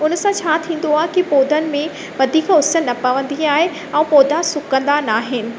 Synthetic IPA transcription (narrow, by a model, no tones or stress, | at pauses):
ʊnsãt͡ɕʰaːt̪ʰĩːn̆d̪oaːɦɪkipoːd̪ʱənɪ̆mẽ | ʋɐd̪ʱiːkʊsənːɐpɐʋə̃nd̪iaːɦe | ɛ̃ːpoːd̪ʱasʊkə̃nd̪anaːɦɪnɪ̆